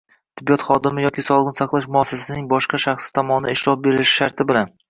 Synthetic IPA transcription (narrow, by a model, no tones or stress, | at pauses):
t̪ʰɪbːijɒt̪χɒd̪ɪmɪjɒkʲɪsɒlˠɨqnɪsɑqlˠaʃmʊasasasɪnɪŋbɒʃqɑʃaχsɪ̥t̪ʰɒmɒnɪd̪aɪʃɾɒf̚be̞ɾɪɪʃɪ̥ʃaɾt̪ʰɪbɪlan